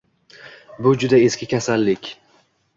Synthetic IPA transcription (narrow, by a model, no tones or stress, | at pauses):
bʊd͡ʒʊd̪ae̞skʲɪkʲʰasalːɪkʲ